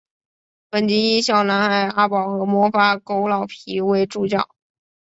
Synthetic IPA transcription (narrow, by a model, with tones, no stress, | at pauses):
pə˨˩nt͡ɕi˧˥i˥ɕjɑ˨˩ʊna˧˥nxa˧˩ɪa˥pɑ˨˩ʊxɤ˧˥mwɔ˧˥fa˥ko˥ʊlɑ˨˩ʊpʰi˧˥we˧˥ɪʈ͡ʂu˥˧t͡ɕjɑ̰˥˩ʊ